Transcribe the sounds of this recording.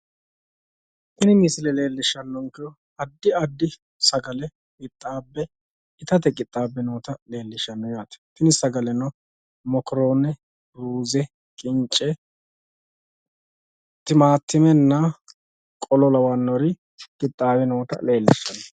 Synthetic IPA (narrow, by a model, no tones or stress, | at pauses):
t̪ɪnɪmɪsɪlɛle̞ːlːɪʃːɐnːɔŋkɛ | ɐd̪ːɪɐd̪ːɪ | sɐɡɐlɛ | ɡɪt̪ʼːaːbːɛ | ɪt̪ɐt̪ɛɡʼɪt̪ʼːaːbːɛnoːt̪ɐle̞ːlːɪʃːɐnːɔjaːt̪ɐ̥t̪ɪnɪsɐɡɐlɛnɔ | mɔkɾo̞ːnɛ | ɾuːzɛ | kʼɪnt͡ʃʼːɛ | t̪ːɪmaːt̪ːɪmɛnːɐ | kʼɔlɔlɐwɐnːɔɾɪ | kʼɪt̪ʼːaːwɛnoːt̪ɐ̰le̞ːlːɪʃːɐnːɔ